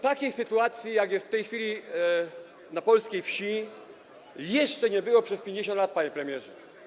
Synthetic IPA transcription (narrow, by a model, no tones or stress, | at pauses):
t̪akʲejsɘt̪uat̪sʲjijaɡjɛst̪ft̪ɛjxfʲilʲi | napɔlskʲejfɕi | jɛʂt͡ʂɛɲɛbɘwɔpʂɛspʲjeɲd͡ʑeɕ̬ɔnd̪lat̪̚paɲɛpɾɛmʲjɛʐɛ